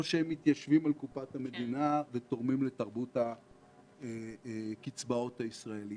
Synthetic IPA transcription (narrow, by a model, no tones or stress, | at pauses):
oʃeemːit̪jaʃvimalkupathame̞d̪inaveto̞ʁmimle̞taʁbuta | kit͡sbao̞thaisʁaeli